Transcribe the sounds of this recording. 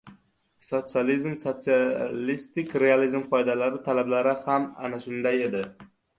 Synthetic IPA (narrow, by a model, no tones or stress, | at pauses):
sot̪sijalizmsot̪sialist̪ɪkʲɾealizmqʰɒjd̪alaɾɪt̪ʰalablaɾɪhama̰naʃʊnd̪aje̞d̪ɪ